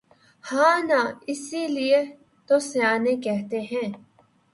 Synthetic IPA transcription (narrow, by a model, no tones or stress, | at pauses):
haːnãːɪsilie | t̪oseaːnẽkɛɦt̪eɦɛ̃ː